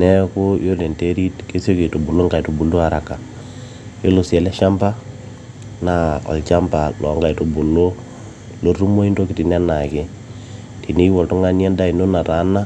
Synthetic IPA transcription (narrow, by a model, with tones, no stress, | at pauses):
nɛ˦ku˦jo˦le˨nte˦ɾi˦tke˦so˦ke˨to˨bu˨lo˦ŋɡa˨jto˨bu˨lo˦a˨ɾa˨ka˨ | jo˦lo˨sɛ˨lɛ˦ʃa˦mpa˦ | na˦ɔ̰˨lt͡ʃa˦mpa˨lɔ̰˨˦ŋɡa˨i˨to˨bu˨lo˦ | lo˦ɾu˦mo˦i˦nto˦kɪ˨ti˨nɛ˦na˨kɪ˦ | ti˨ni˦wɔ˨ltu˦ŋa˦ni˦a˦da˦i˨no˦na˨ta˨˦na˦